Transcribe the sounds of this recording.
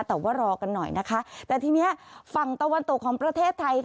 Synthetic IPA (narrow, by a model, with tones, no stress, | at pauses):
t̪ɛː˨˩waː˥˩ɾɔː˧ka˧nːɔ̰˨˩jnʔa˦˥kʰa˦˥t̪ɛː˨˩t̪ʰiː˧ni˦˥ɐfa˨˩ŋt̪a˧wa˧nt̪o˨˩kʰːɔː˩˦ŋpɾa˧t̪ʰeː˥˩t̪ʰːa˧jk